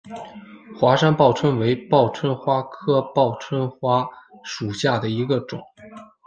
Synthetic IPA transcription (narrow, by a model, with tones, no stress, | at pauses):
xwa˥ʂa˥npɑ˥˩ʊt͡sʰwə˥nwe˧˥ɪpɑ˥˩ʊt͡sʰwə˥nxwa˥kʰɤ˥pɑ˥˩ʊt͡sʰwə˥nxwa˥ʂu˨˩ɕja˥˩d̪ə˩i˧˥ɡə˧ʈ͡ʂʊ̰˨˩˦ŋ